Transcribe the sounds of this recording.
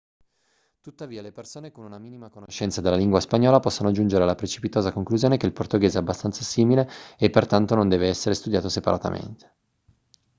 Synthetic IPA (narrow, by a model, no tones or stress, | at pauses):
t̪ut̪ːaviːalepersoːnekonunamiːnimakonoʃːɛnt̪sad̪elːaliŋɡwaspaɲːɔːlapɔsːonoad͡ʒːund͡ʒeɾealːapɾet͡ʃi̥pit̪oːzakoŋkluzjoːnekeilport̪oɡeːzeɛabːast̪ansasiːmileːpːert̪ant̪onõnd̪ɛːveɛsːeɾest̪ud̪jaːt̪osepaɾa̰t̪a̰mḛnt̪e̥